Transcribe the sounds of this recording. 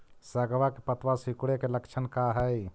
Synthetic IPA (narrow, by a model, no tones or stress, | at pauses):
səɡwakepət̪wasikuɽekeləkt͡ʃʰənkaɦɛi